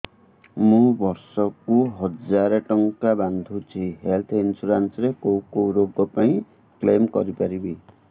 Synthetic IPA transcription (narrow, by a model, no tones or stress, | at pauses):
mũbʌɾsɔkuɦʌd͡zaɾeʈʌŋkaband̪ʱut͡sʰiɦelt̪ʰinsuɾansɾekowkoɾoɡɔpaĩ | klemkʌɾipaɾibi